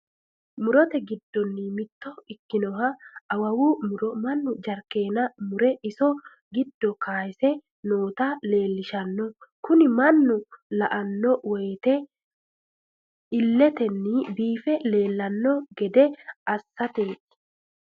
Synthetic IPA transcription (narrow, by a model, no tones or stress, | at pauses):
mʊɾɔt̪ɛɡɪd̪ːɔnːɪmɪt̪ːɔɪkːɪnɔɦɐɐwɐwumʊɾɔmɐnːʊd͡ʒɐɾke̞ːnɐmʊɾɛɪsɔ | ɡɪd̪ːɔkaːjɪsɛ | no̞ːt̪ale̞ːlːɪʃɐnːɔkʊnɪmɐnːʊlɐʔɐnːɔwɔjt̪ɛ | ɪlːɛt̪ɛnːɪbiːfɛle̞ːlːɐnːɔɡɛd̪ɛɐsːɐt̪e̥ː